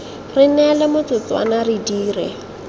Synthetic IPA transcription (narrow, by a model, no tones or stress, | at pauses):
rɪnɛlɛmʊt͡sʊt͡swa̰naridiːrɛ̰